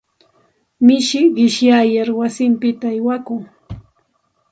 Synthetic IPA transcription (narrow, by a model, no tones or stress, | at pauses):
mɪʃɪɢɪʃjajaɾwasɪmpɪt̪aːjwakʊŋ